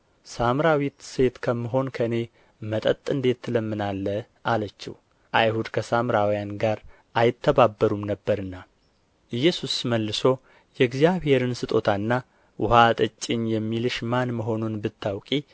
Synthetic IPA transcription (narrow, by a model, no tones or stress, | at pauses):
samɾawit̪se̞t̪kʰəmːɨɦo̞nkʰəne̞ | mət̪ʼət̪ʼːɨnd̪e̞t̪ːɨləmːɨnalːə | ʔalət͡ʃːɛ̰w | ʔajhud̪kʰəsamɾawjanɡaɾ | ʔajɪt̪ʰːəbabːəɾumnəbːəɾɨnːa | ʔɨjːɛsusməlːɨso̞ | jɛɡzijaβhe̞ɾɨnsɨt̪ʼo̞t̪ʰanːa | wʊhat̪ʼɨt͡ʃʼːɪɲjɛmːilɨʃmanməɦo̞nunbɨt̪ːawkʼi